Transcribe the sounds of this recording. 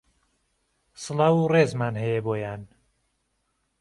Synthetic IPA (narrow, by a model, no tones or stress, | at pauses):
sɨlɑwureːzmaːnhɛjeboːjaːn